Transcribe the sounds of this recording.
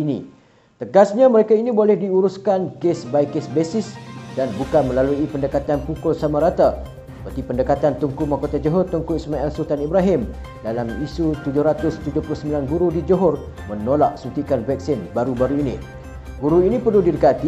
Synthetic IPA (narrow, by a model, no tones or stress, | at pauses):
inḭ | t̪əɡasɲãməɾekainĩbolɛhdiuɾuskankesbajkesbesɪsdanbukanmə̃laluipəndəkat̪anpukʊlsamaɾat̪a | əpət̪ipəndəkat̪ant̪uŋkumakot̪ad͡ʒoɦʊrt̪uŋkʊsəmãɛlsut̪anibɾaɦɪm | dalamisut̪ud͡ʒʊhɾat̪ʊst̪ud͡ʒʊhplʊhsəmbilanɡuɾudid͡ʒɔɦʊr | mənolaʔ̚sut̪ikanvɛk̚sɪnbaɾubaɾuinḭ̃ | ɡuɾuinĩpərlʊhdidəkat̪i